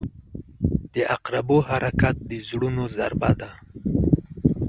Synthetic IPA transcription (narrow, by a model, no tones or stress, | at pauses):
d̪̥əʔaqɾabohaɾakat̪̚d̪əzɽunoza̰ɾba̰d̪a